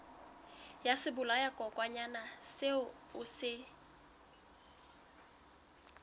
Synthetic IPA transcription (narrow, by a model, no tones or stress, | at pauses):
jasɪbʊlajakʼɔkʼwaɲanasɪʊ | ʊsɪ